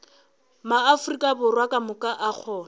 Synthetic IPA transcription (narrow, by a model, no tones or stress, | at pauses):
maːfʊrikʼabʊrwakʼamʊkʼaʔak͡xʰɔːn